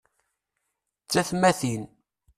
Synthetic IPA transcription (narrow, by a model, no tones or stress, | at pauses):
t͡sːæθmæθin